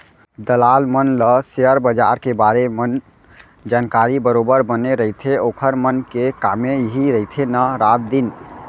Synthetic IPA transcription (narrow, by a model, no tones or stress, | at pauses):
d̪əlalmənləseəɾbəd͡ʒa̰ɾkebaɾemən | d͡ʒankaɾibəɾobəɾbəneɾəɦit̪ʰeokʰəɾmənkekameɦiɾəɦit̪ʰenaɾat̪̚d̪in